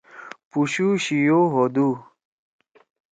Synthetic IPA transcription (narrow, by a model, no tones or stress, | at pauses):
puɕuɕijoɦod̪u